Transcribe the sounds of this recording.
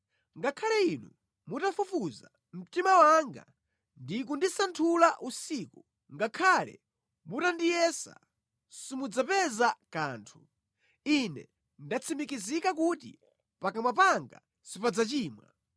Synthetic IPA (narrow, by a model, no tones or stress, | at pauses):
ŋɡakʰalɛinṵ | mutafufuza | m̩timawaŋɡa̰ | ndikundisantʰulaʔusiːku | ŋɡakʰalɛ̰ | mutandijɛsa̰ | simud͡zapɛzakaːntʰu | inɛ̰ | ndat͡sʰimikizikakutḭ | pakamap̬aŋɡa̰ | sipad͡zat͡ʃiːmwa̰